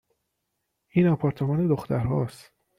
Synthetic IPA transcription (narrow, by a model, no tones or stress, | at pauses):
ʔiːnɒpʰɒɾt̪ʰemɒːne̞d̪oxt̪ʰæɾɦɒːst̪